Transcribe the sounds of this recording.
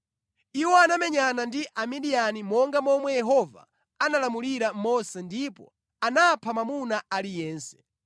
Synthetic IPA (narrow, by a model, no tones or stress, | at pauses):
iwɔanamɛɲanandiʔamidianimɔŋɡamɔmwɛjɛɦɔva̰ | analamuliɾamɔsɛndipɔ̰ | anapʰamamunaalijɛːnsɛ̥